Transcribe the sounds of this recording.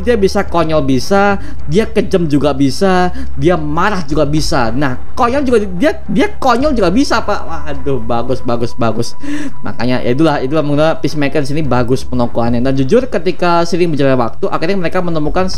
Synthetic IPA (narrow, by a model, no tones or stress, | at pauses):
diabisakoɲɔlbisa | diakəd͡ʒəmd͡ʒuɡabisa | diamaɾahd͡ʒuɡabisanah | koɲɔld͡ʒuɡadia | diakoɲɔld͡ʒuɡabisapawaɦadʊhbaɡʊsbaɡʊsbaɡʊs | ma̰ka̰ɲajʔa̰it̪ulahit̪ulahməŋɡunapɪsmɛkəndisinibaɡʊspənɔkoanɲadand͡ʒud͡ʒʊrkət̪ikasiɾɪŋbəd͡ʒaɾawa̰k̚t̪uʔa̰kirɲaməɾekamənəmukan